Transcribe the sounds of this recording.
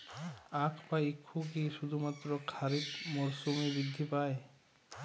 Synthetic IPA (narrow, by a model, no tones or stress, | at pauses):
akʰbaikʰːukiʃud̪ʱumat̪ːɾokʰaɾit̪moɾsumibid̪ʱːipae